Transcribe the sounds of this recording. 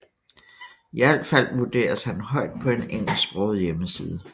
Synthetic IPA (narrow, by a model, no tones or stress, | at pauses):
iæl̰d̥fæl̰ʋud̥e̝̰ːɐshænhɒ̽ɪ̰d̥̚pʰɒ̽e̝neŋ̰l̩sb̥ʁɔʊð̩ˠjeməsḭːð̞ˠə